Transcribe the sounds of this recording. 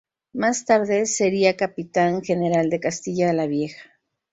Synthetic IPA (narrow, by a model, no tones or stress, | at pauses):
mast̪aɾðe̞se̞ɾiakapit̪aŋxe̞ne̞ɾald̪e̞kast̪iʝaðelaβje̞xḁ